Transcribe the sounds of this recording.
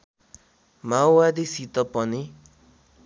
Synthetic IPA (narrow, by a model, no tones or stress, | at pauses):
mawwad̪isit̪ʌpʌni